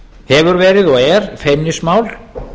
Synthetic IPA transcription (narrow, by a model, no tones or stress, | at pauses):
hɛvʏɾvɛːɾɪðɔɣɛɾ̥feːmnɪsmaːwl